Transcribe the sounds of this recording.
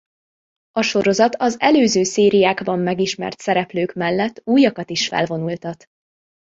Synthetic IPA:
ɒʃo̞ɾo̞zɒt̪ɒzɛløːzøːseːɾijaːɡbɒmːɛɡiʃmɛ̰rt̪sɛɾɛpløːkmɛlːɛt̪ːuːjɒkɒt̪iʃfɛ̰lvo̞nult̪ɒt̪

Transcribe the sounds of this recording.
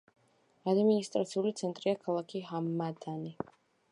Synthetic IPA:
ad̪minist̪ʼɾat̪sʰiulit̪sʰɛnt̪ʼɾiakʰalˠakʰiɦamːad̪ʰani

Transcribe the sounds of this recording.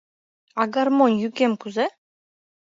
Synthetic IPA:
ɑɡɑɾmonjykemkuze

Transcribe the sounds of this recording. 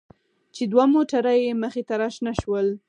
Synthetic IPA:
t͡ʃed̪wamoʈaɾajeməxet̪aɾɑʃnaʃwəl

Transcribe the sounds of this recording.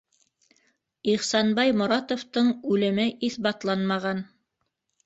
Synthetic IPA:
iχsɑnbɑjmŏɾɑt̪oft̪ɤɴʉlɘ̆mɘʔiθbɑt̪lˠɑnmɑʁɑn

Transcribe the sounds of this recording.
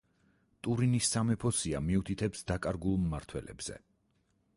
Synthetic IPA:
t̪ʼuɾinisːamɛpʰɔsiamiut̪ʰit̪ʰɛpsd̪akʼaɾɡulˠmːaɾt̪ʰwɛlɛ̰bz̥ɛ̰

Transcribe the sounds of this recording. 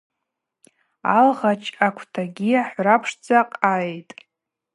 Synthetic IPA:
a̰lʁat͡ʃʰʼakʷʰtʰaɡʲiaħʷrapʰʂd͡zaqʼajtʼ

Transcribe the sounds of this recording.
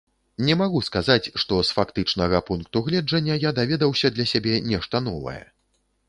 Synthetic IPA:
nʲɛmaɣuskazat͡sʲʂt̪ɔsfakt̪ɨt͡ʂnɐɣɐpunk̚t̪uɣlʲɛd͡ʐʐɐnʲːɐjad̪avʲɛd̪ɐwsʲɐd̪lʲɐsʲabʲɛnʲɛʂt̪ɐn̪ɔvɐ̰jɛ̰

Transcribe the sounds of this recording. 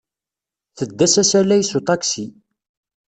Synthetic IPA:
θəd̪ːæsæsælæjsut̪ˤɑksi

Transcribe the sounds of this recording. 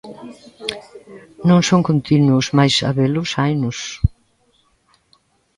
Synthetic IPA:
nõŋsõŋkõnt̪inuʊsmajsa̰βelʊsajnʊs

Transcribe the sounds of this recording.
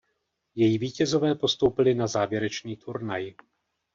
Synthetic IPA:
jɛjiviːcɛzo̞vɛːpo̞st̪o̞wpɪlɪnazaːvjɛɾɛt͡ʃniːt̪ʰuɾnaj

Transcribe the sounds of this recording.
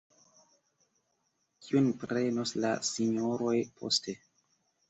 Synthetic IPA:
kʰiunpɾe̞nosla̰siɲoɾo̞jpʰo̞̰stʰe̞

